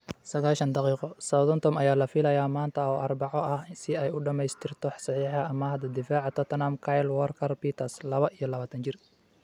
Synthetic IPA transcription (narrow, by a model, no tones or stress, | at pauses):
sɐɣaːlʃɐnd̪ɑqiːqɔsɐðɔnt̪ʰɔmɐjaːlɐfɪlɐjaːmaːnt̪ʰɐɔːʔɐrbɑʕɔʔɐhsɪɛjʊɖɐmɛjst̪ʰɪrt̪ʰɔħsɑħiːħɐɐmɐɦɐd̪ɐd̪ɪfaːʕɑt̪ʰɔt̪ʰnamkʰajlwɐrkʰɐrpiːt̪ʰɐrslɐβɐʔijɞlɐβaːt̪ʰɐnt͡ʃɪr